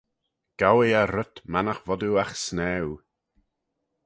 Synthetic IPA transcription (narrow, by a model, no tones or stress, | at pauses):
ɡ̥awɪaɾətmanaxvɔduaxsnɛw